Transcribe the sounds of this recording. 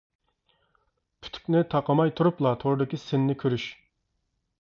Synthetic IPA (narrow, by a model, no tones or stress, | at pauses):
pʰy̥t̪ʰy̥kʲnɪt̪ʰɑqəmɑjt̪ʰuɾuplˠɑt̪ʰoɾd̪ɪkʲisɪnːɪkʲʰøɾyʃ